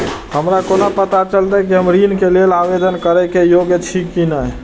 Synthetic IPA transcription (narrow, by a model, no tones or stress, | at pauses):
ɦəmɾakonapət̪at͡ʃəlt̪ɛkiɦəmɾinkelelabed̪ʱənkəɾɛkejoɡet͡ʃʰikːinəj